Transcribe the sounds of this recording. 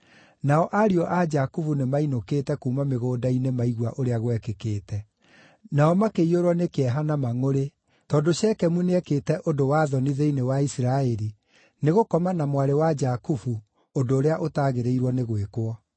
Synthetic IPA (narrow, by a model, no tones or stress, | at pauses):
naɔʔaɾiɔʔad͡ʒakufunemainoketɛkuːmameɣoːdainemaiɣwaʔoɾeaɣwɛkekeːtɛ | naɔmakeioɾwɔnekɛɦanamaŋoɾe | tɔːdoʃɛkɛmuneɛkeːtɛʔodowaðɔniðeinewaisiɾaɛɾi | neɣokɔmanamwaɾewad͡ʒakufu | ondoːɾeaʔotaɣeɾeiɾwɔneɣwekwɔ